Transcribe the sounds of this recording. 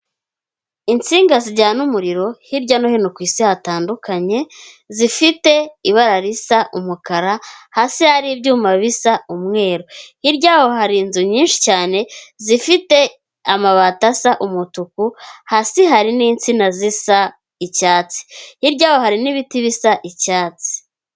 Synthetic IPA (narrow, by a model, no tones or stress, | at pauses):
int͡siːŋɡaziɟaːnumuɾiɾo̞hiɾɟanohinokwiːsihataːndukaɲe̞ | zifite̞iβaɾaɾisaʔumukaɾahasihaɾibɟuːmaβisaumŋe̞ːɾohiɾɟaːho̞ɦaɾinzuɲiːnʃi̥caːne̞zifite̞ | amaβatasaʔumutukuhasiɦaɾiniːnt͡sinazisa | icaːt͡si̥hiɾɟaːho̞ɦaɾiniβitiβisaʔicaːt͡si̥